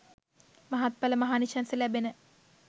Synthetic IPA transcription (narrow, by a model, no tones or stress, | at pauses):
maɦat̪̚paləmaɦaːniʃansəlæbenə